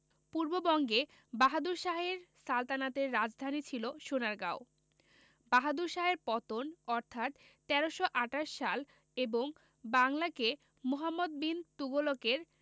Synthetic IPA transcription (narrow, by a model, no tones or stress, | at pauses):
puɾbobɔŋɡe | baɦad̪uɾʃaɦeɾsalt̪anat̪eɾːad͡ʑd̪ʱanit͡ɕʰiloʃonaɾɡao | baɦad̪uɾʃaɦeɾpɔt̪onɔɾt̪ʰat̪ː | ɛɾoʃoʔaʈaʃːal | eboŋ | baŋlake | moɦamːod̪̚bint̪uɡolokeɾ